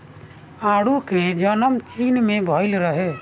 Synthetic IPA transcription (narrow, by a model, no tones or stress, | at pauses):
aːɽuked͡ʒənəmt͡ʃiːnmẽbʱɔːɪlɾəɦeː